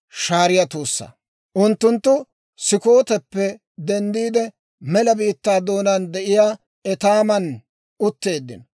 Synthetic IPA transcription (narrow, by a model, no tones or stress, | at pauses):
ʃaːɾɪjɐt̪uːsːɐ̰ | ʔʊnt̪ːʊnt̪ːʊ | sɪko̞ːt̪ɛpːɛ | d̪ɛnd̪iːd̪ɛ | mɛlɐbiːt̪ːaːd̪o̞ːnand̪ɛʔɪjaː | ɛt̪aːmɐn | ʊt̪ːe̞ːd̪ːɪ̰n